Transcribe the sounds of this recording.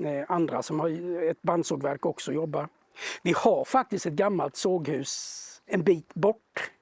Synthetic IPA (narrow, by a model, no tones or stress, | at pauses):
and̪ɾa̰sɔmhaɾɛt̪̚band̪suɖvæɾkɔksɔjɔbːa | vɪhaɾfak̚t̪ɪst̪ɛt̪ɡamːalt̪soːɡhʉ̟ːsɛnbiːt̪bɔʈː